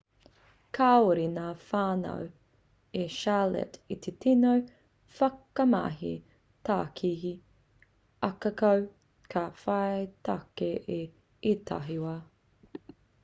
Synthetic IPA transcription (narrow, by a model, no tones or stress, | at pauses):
kʰaoɾinaːfaːnɐ̰w | eʃalɛ̰tit̪ʰetʰinow | fɐkɐma̰ɦi | taːkʰihi | ɐkɐkɐw | kʰafajtakeʔe | etʰa̰ɦiwɐ